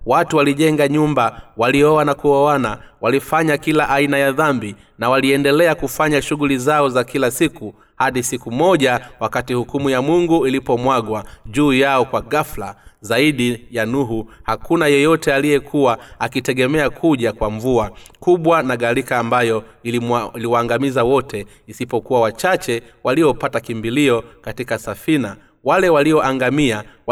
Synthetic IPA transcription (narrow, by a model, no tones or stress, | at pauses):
watuwaliʄɛŋɡaɲumbawaliɔwanakuɔanawalifaɲakilaʔainajaðambi | nawaliɛndɛlɛakufaɲaʃuɠulizaɔzakilasiku | haɗisikumɔʄawakatihukumujamuŋɡuilipɔmwaɡwaʄuːjaɔkwaɡafla̰zaiɗijanuɦuhakunajɛjɔtɛalijɛkʰuwaakitɛɡɛmɛakʰuʄakwaɱvuakuɓwanaɠaɾikaːmbajɔ | iiliwaːŋɡamizawɔtɛ | isipɔkuwawat͡ʃat͡ʃɛwaliɔpatakimbiliɔkatikasafina | walɛwaliɔʔaŋɡamiaw